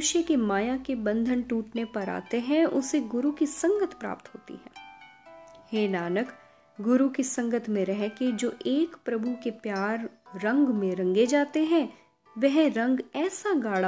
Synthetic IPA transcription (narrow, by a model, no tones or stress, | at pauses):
ʊʃjəkemaːjakebɐ̃nd̪ʱənʈuːʈnepɐɾa̰ːt̪eɦɛ̃ʊseɡʊɾukisɐ̃ŋɡət̪ʰpɾa̰ːp̚t̪ɦo̰ːt̪ḭɦɛ̰̃ː | heːnaːnək | ɡʊɾukisɐ̃ŋɡət̪ʰmẽɾɛɦked͡ʒoːʔeːkpɾɐbʱukepjaːɾːɐ̃ŋɡmẽɾɐ̃ŋɡed͡ʒaːt̪eɦɛ̃ | ʋɛɦɾɐ̃ŋɡɛːsaɡaːɽ